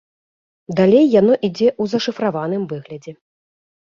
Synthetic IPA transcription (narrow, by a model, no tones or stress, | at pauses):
d̪alʲejːan̪ɔʔid͡zʲɛʔuzɐʂɨfɾavanɨmvɨɣlʲɐd͡zʲɛ